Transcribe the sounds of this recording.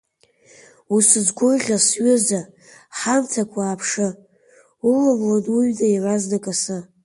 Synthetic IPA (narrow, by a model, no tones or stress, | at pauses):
usɨzɡʷojʁʲasɥʏza | ħamtʰakʷʰaːpʰʂɨ | ulamladuɥdaiʕʷaznakʼasɨ